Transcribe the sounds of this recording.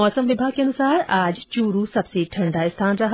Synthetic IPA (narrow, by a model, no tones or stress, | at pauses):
ɔːsəmʋɪbʱaːɡ̚keɐnʊsaːɾaːd͡ʒt͡ʃuːɾusɐbseʈʰɐ̃ɳɖaɪst̪ʰaːnɾɐɦ